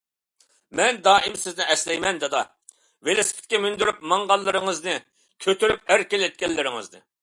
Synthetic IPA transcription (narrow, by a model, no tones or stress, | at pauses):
mɛnd̪ɑːimsɪznɪʔɛslɛjmɛnd̪ɛd̪ɑ | velɪsɪ̥pʰʲt̪ɪ̥kʲɛmynd̪yɾypmɑŋʁɑlˠːɨɾɨŋɨznɨ | kʲʰøt̪yɾyp̚hæɾkʲelɛt̪̚kʲɛlːɪɾɪŋɨ̰znɨ̰